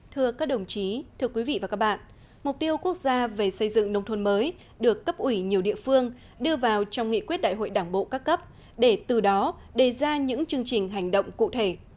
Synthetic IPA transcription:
t̪ʰɨ˧əkaː˦˥k̚ɗə˨˩wŋ͡mt͡ɕi˨˦t̪ʰɨ˧əkwi˨˦vḭ˧˨vaː˨˩kaː˦˥k̚ɓa̰ː˧˨nʔ | mʊ˨˩k͡p̚t̪i˧əwku˦˥ək̚zaː˧ve˨˩sə˧jzɨ̰˧˨ŋnə˧wŋ͡mt̪ʰə˧nməː˨˦j | ɗɨ˨˩əkːə˦˥p̚ʔwi˧˩ɲi˨˩əwɗḭ˧˨əfɨ˧əŋ | ɗɨ˧əvaː˨˩wt͡ɕɔ˧wŋ͡mŋḭ˧˨kwi˦˥t̚ɗa̰ː˧˨jɦo̰˧˨jɗaː˧˩ŋɓo̰˧˨kaː˦˥kːə˦˥p̚ | ɗe˧˩t̪ɨ˨˩ɗɔ˨˦ɗe˧˨˩zaː˧ɲɨ̰˧˥ŋt͡ɕɨ˧əŋt͡ɕï˨˩ŋ̟ɦa˨˩jŋ̟ɗə̰˧˨wŋ͡mkṵ˧˨t̪ʰe˧˩

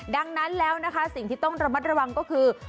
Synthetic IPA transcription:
da˧ŋna˦˥nlɛː˦˥wna˦˥kʰa˦˥si˨˩ŋt̪ʰiː˥˩t̪ɔ˥˩ŋɾa˧ma˦˥t̪̚ɾa˧wa˧ŋkɔː˥˩kʰɯː˧

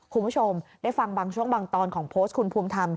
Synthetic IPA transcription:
kʰu˧nbʰu˦˥˩t͡ɕʰo˧mdaː˥˩jfa˧ŋbaː˧ŋt͡ɕʰu˥˩əŋbaː˧ŋt̪ɔː˧nkʰɔː˩˦ŋpʰoː˦˥st̚kʰu˧npʰuː˧mt̪ʰa˧m

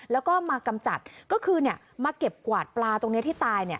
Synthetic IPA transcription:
lɛː˦˥wkɔː˥˩maː˧ka˧mt͡ɕa˨˩t̪̚kɔː˥˩kʰɯː˧ni˥˩ə | maː˧ke˨˩p̚kwaː˨˩t̪̚plaː˧t̪o˧ŋni˦˥iː˥˩t̪aː˧jni˥˩ɐ

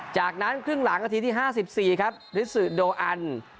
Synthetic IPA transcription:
t͡ɕaː˨˩k̚na˦˥nkʰɾɯ˥˩ŋla˩˦ŋʔa˧t̪ʰiː˧iː˥˩ɦaː˥˩si˨˩p̚siː˨˩kʰa˦˥p̚ɾɯː˨˦˥sɯː˨˩doː˧ʔa˧n

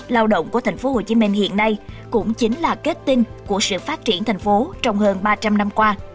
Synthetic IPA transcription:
laː˧wɗə̰˧˨ŋ͡mku˧˩ət̪ʰa˨˩ŋ̟fo˨˦ho˨˩t͡ɕi˨˦mï˧ŋ̟hḭ˧˨ənːa˧jkʊ̰˧˥ŋ͡mt͡ɕi˨˦ŋ̟laː˨˩ke˦˥t̚t̪i˧nku˧˩əsɨ̰˧˨faː˦˥t̚t͡ɕi˧˩ənt̪ʰɛ˨˩ŋ̟fo˨˦t͡ɕɔ˧wŋ͡mhəː˧nɓaː˧t͡ɕa˧mna˧mkwaː˧

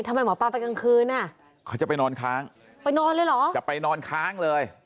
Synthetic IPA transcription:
t̪ʰa˧ma˧jmɔː˨˦paː˧˩wpa˧jka˧ŋkʰɯː˧nːa˧˩ | kʰwt͡ɕa˨˩pa˧jnɔː˧nkʰaː˦˥ŋ | pa˧jnɔː˧nlɤː˧jlɔː˩˦t͡ɕa˨˩pa˧jnɔː˧nkʰaː˦˥ŋlɤː˧j

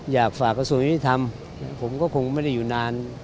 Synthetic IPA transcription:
jaː˨˩k̚faː˨˩kːa˧su˧˦ŋ˧˦iː˥˨˩t̪ʰa˧m | na˧pʰo˨˦mkɔː˥˩kʰo˧ŋma˥˩˨jda˥˩˨jːuː˨˩naː˧n

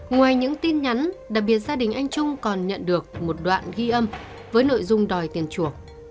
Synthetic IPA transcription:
ŋwaː˨˩jɲɨ̰˧˥ŋt̪i˧nɲa˨˦nɗaː˨˩k̚ɓi˨˩ət̚zaː˧ɗï˨˩ŋ̟ʔa˧jŋ̟t͡ɕʊ˧ŋ͡mkɔ˨˩nɲə̰˧˨nɗɨ˨˩ək̚mo˨˩t̚ɗwa̰ː˧˨nɣi˧ʔə˧m | vəː˨˦jno̰˧˨jzʊ˧ŋ͡mɗɔ˨˩jt̪i˨˩ənt͡ɕu˧˩ək̚

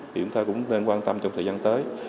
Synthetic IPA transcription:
i˨t͡ɕʊ˧˦ŋ͡mt̪aː˧kʊ̰˧˥ŋ͡mne˧nkwaː˧nt̪ə˧mt͡ɕɔ˧wŋ͡mt̪ʰəː˨˩zaː˧nt̪əː˨˦j

